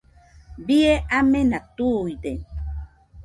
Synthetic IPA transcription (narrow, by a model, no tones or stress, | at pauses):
bieʔamenat̪ujde